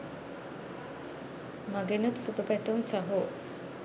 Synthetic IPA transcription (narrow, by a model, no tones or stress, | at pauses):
mɐɡenut̪supəpæt̪uŋsɐɦoː